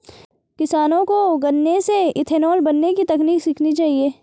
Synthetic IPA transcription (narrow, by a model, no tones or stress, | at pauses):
kɪsaːnõkoɡɐnːeseɪt̪ʰeːnoːlbɐnːekit̪ɐkniːksɪkʰnit͡ʃaːɦieː